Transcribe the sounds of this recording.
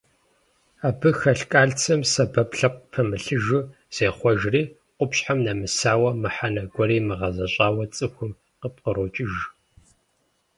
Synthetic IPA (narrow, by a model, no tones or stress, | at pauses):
aːbɨxɐɬkʼaːɮt͡sʰɐmsɐbɐpɬɐq̚ʷpʰɐmɨɬɨʒɨ | z̥eːχʷɔʒriː | qʷʼʊpɕħamnɐmɨsaːwɐmɨħanɐɡʷɔɾiːmɨʁɐzɐɕʼaːwɐt͡sʼɨxʷʊm | qəp̚qəɾoːt͡ʃʼɪʒ